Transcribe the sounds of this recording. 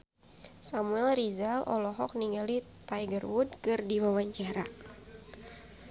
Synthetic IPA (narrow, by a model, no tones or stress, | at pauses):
samuɛlrizalʔɔ̰lɔɦɔk̚niŋɡalit̪ajɡərwud̚kɨrdiwawaɲt͡ʃaɾa̰